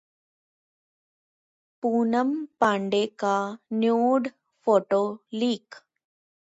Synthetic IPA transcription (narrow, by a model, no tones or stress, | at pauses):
puːnɐmpɐɳɖeːkaːnjuːɖ | foʈoːliːk